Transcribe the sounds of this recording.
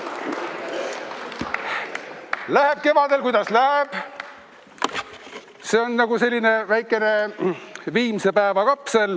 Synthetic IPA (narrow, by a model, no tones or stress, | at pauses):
læhe̞b̥̚ke̞vɑd̪̥e̞lkujd̪̥ɑslæheb̥ | se̞ːonːɑɡ̥use̞lʲːine̞væjkːˑe̞ne̞ | viːmse̞pæevɑkɑpsel